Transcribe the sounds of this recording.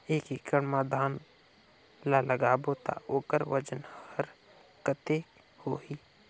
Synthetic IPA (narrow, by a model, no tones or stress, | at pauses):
eːkikəɽmaːd̪ʱaːn | laləɡaːbot̪a̰oːkəɾʋəd͡ʒənəɾ | kət̪e | hoːɦi